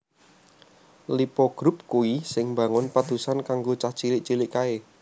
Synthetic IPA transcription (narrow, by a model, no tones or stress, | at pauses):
lipɔɡ̥ɾʊp̚kuisɪŋbaŋʊnpat̪usankaŋɡot͡ʃat͡ʃilɪʔt͡ʃiliʔkae